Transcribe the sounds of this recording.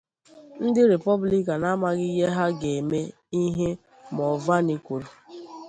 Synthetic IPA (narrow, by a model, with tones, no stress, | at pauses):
n̩˦dɪ˦ɾe˨pɔ˦bli˦ka˨na˦ma˨ɣɪ˦je˦ɦa˦ɡe˨me˦ | i˦ɦe˦ | mɔ˨va˦ni˦kʷu˨ɾu˨